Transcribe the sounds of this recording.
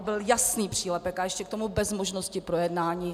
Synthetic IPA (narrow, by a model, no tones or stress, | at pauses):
bɪljasniːpr̥iːlɛpɛkajɛʃcɛk̚t̪o̞mubɛzmoʒnoscɪpɾojɛdnaːɲiː